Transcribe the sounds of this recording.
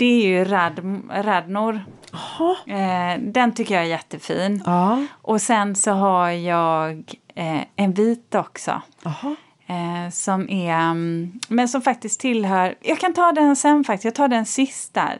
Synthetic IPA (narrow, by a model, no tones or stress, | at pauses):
d̪̥ɛæɾjɵɾad̪ɾad̪nʊɾ | h | d̪ɛnt̪ʰʏkːəjɑɛɾjɛt̪ːəfiːnːʔɔsɛnsɔɦajɑːɡ | ɛnviːt̪ɔksɔ̰h | sɔmʔæ | mɛnsɔmfak̚t̪ɪskt̪ʰːɪlɦœːɾjɑːɡkʰant̪ʰɑːd̪ɛnsɛnːfak̚t̪ɪ̥sjɑɡ̚t̪ʰɑːɖɛnsɪst̪a̰ɾ